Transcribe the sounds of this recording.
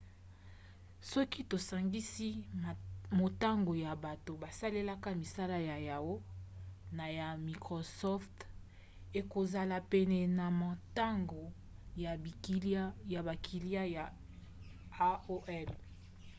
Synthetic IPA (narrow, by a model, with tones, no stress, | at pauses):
sɔ˦ki˦to˨sa˨ŋɡi˦si˦ | mo˨ta˦ŋɡo˨ja˨ba˨to˨ba˨sa˦le˦la˦ka˦mi˨sa˦la˦ja˨ja˨ɡo˦na˨ja˨mi˨kʁo˨sɔ˦ft | e˨ko˨za˨la˨pɛ˨nɛ˨na˨ma˨ta˦ŋɡo˨ | ja˨˦ | ja˨ba˨kʰi˨li˦a˦ja˨ | a˦o˦ʔɛ˦l